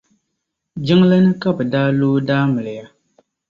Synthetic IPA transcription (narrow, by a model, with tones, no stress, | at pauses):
d͡ʒɪ˦ŋla˦nɨ˦ka˦bɨ˨daː˦loː˦daː˦mɨ˨lɨ˨ja˦